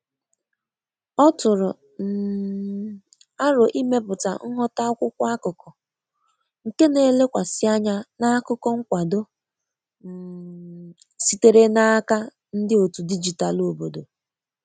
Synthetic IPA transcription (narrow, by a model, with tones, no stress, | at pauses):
ɔ˦tʊ˨ɾʊ˨ | n̩˨ | a˦ɾʊ˨ʔi˦me˦pʊ˨ta̰˨ŋ̩˦ɦɔ˦ta˦ʊ˦kʷʊ˦kʷa˦a˦kʊ˨kɔ˨ | ŋ̩˨ke˦ne˨˦le˦kʷa˨sɪ˦a˦ɲa˦na˦kʊ˦kɔ˦ŋ̩˦kʷa˨do˦˨ | si˨te˨ɾe˦na˦ka˦ | n̩˦dɪ˦o˨tu˨di˦d͡ʒi˨ta˨lo˨bo˨do˨